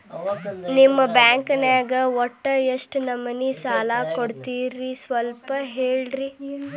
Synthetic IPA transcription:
nimːɐbaːŋkɐneːɡɐɔʈːɐjɐʂʈnɐmːɐnːisaːlaːkoɽt̪iːɾːisʋɐlpɐɦeːɭɾi

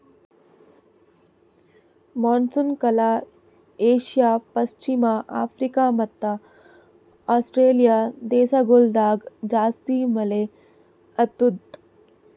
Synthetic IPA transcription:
mɔːnsunkɐla | eːɕijapɐst͡ɕimaʔaːfɾikamɐt̪ːa | ɔsʈɾeːlijad̪eːsaɡold̪aːɡd͡ʑaːst̪iːməle | ət̪ud̪

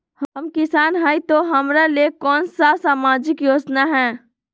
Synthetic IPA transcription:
hɐmkɪsaːnɦaːit̪oɦɐmɾaliekɔːnsasaːmaːd͡ʒɪkjoːd͡ʒnaɦɛ̃ː

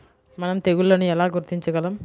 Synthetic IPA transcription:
mɐnɐmt̪eɣuɭːɐnuɛlaːɡuɾt̪iɲt͡ʃuɡɐlɐm

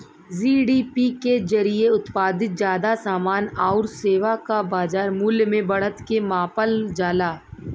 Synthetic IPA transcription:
siːɖiːpikezɐɾieʊt̪paːd̪ɪt̪̚zjaːd̪asaːmaːnaʊɾseːʋakabaːd͡ʒaːɾmʊlmẽbɐɽ̤ət̪kemãːpəld͡ʒaːlaː

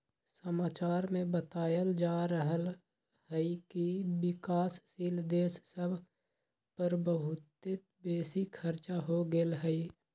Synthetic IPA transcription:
səmaːt͡ʃaːɾmẽbət̪aːjəld͡ʒaːɾəɦəl | ɦɛikibɪkaːsːiːld̪eːssəbʱ | pəɾbəɦʊt̪ɪt̪beːsikʰəɾt͡ʃaɦoɡelɦɛi

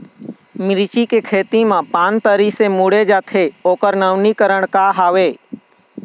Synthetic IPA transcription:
mɪɾt͡ʃikekʰeːt̪imãpãːnt̪əɾisemuɽed͡ʒaːt̪ʰeoːkəɾnəʋnikəɾəɽ̃kaɦaːʋeː

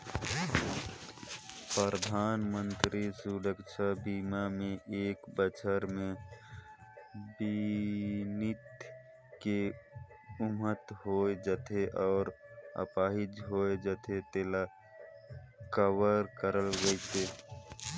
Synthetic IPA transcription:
pɾɾəd̪ʱaːnmə̃nt̪ɾisuɾəkʃʰabiːmamẽʔeːkbət͡ʃʰəɾmẽ | bi | nɪt̪ | ke | ʊmət̪ɦoed͡ʒət̪ʰeʔɔːɾə̰paːɦɪd͡ʒɦoːed͡ʒət̪ʰet̪eːla | kəwəɾkəɾəlɡəeseː

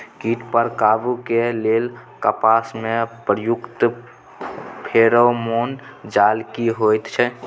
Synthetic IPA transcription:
kiʈpəɾkabukelelkəpasmepɾəjukt̪ | pʰeɾomond͡ʒalkiɦojt̪t͡ʃʰɛ

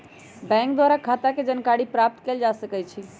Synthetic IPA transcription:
bɛ̃ŋkd̪waɾakʰat̪aked͡ʒənkaɽipɾap̚t̪keld͡ʒasəkɛt͡ʃʰi

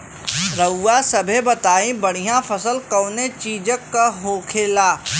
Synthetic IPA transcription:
ɾɐuːasɐbʱebɐt̪aːĩbɐɽ̤ijãfɐsəlkɐːnet͡ʃiːd͡ʒəkːaɦoːkʰeːlaː

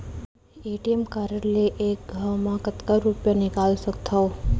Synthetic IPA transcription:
eʈiemkaɾəɾleʔek̚ɡʱawmãkət̪kəɾupjanɪkalsəkt̪ʰao

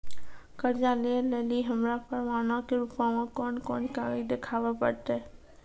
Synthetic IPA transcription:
kəɾd͡ʒaleleːliɦəmɾapəɾʋaːnãkeɾʊpaʋãkɔːnkɔːnkaːɾid̪ekʰaːʋapəɾt̪eː

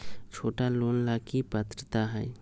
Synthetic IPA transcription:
t͡ʃʰoːʈaloːnlaːkipət̪ɾət̪aɦɛː

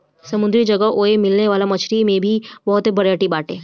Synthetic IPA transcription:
sɐmʊ̃nd̪ɾid͡ʒɐɡəʔoːemɪlneʋaːlamɐt͡ʃʰɾimẽbʱibɐɦʊt̪ebɐɽjaːʈibaːʈẽː

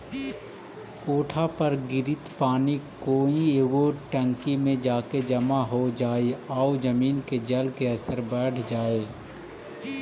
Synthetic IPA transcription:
koːʈʰapɐɾɡɪɾɪt̪paːnikoːieːɡoʈə̃ŋkimẽd͡ʒaːked͡ʒɐmaɦod͡ʒaːeaːud͡ʒəmiːnked͡ʒɐlkeɐsəɾbɛːʈʰd͡ʒaːeː

